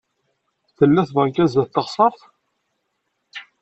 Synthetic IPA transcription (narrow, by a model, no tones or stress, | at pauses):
θəlːæθðˤəŋkæzæθt̪ːəʁsˤɑɾˤθ